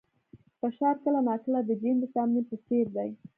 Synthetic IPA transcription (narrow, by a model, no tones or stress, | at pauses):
pəʃɑɾkəlanɑkəlad̪əd͡ʒind̪əsɑmnipəseɾd̪aj